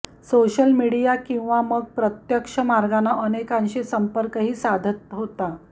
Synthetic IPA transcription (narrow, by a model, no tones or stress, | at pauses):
soɕəlmiɽijakĩw̃ʋaməɡ̚pɾət̪jəkʂəmaɾɡanːaʔənekanɕesəmpəɾkəɦiːsad̪ʱət̪ɦot̪a